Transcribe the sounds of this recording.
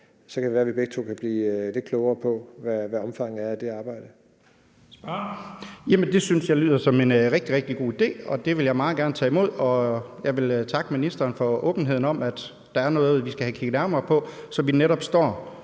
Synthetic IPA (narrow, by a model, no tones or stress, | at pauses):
sɒkʰædeʋæːɐʋeb̥eɡ̥̚t͡sʰo̝kʰæb̥liːle̝d̥̚kʰlɔʊɐːpʰɒ̽ʋæʋæɒ̽mfɑ̈ŋ̩æɐd̥e̝ɑ̈ːb̥ɑ̈ɪ̰d̥ə | jæmənd̥e̝synsjɑ̈ɪly̰ːðˠɐsɒ̽menʁɛɡ̥̚d̥iʁɛɡ̥̚d̥iɡ̥o̝̰ːid̥e̝̰ːɒ̽d̥e̝ʋe̝ljɑ̈ɪmɑ̈ːð̩ˠɡ̥æɐnət͡sʰɛ̰ːimo̝ð̞̰ˠɒ̽jɑ̈ɪʋe̝lt͡sʰɑ̈ɡ̥əminisd̥ɐːnfɒ̽ɔ̽ːb̥n̩ɦeðˠn̩ɒ̽mæd̥ | d̥ɑ̈æɐnɔ̽ːðˠð̩ˠʋisɡ̥æhækʰiɡ̥ð̩ˠnæɐmɐːpʰɒ̽sɒ̽ʋineɾɒ̽b̥sd̥ɒ̰ː